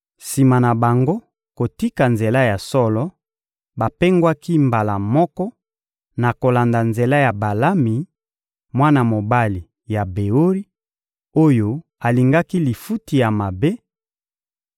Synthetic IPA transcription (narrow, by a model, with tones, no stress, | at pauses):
si˨ma˨na˨ba˨ŋɡo˦ | ko˨ti˦ka˨nze˨la˦ja˨sɔ˦lɔ˦ | ba˨pe˦ŋɡwa˦ki˦mba˨la˨mɔ˦kɔ˦ | na˨ko˨la˨nda˨nze˨la˦ja˨ba˨la˦mi˨ | mwa˦na˨mo˨ba˦li˨ | ja˨be˨o˦ʁi˦ | o˦jo˦ | a˨li˨ŋɡa˦ki˦li˨fu˦ti˨ja˨ma˨be˦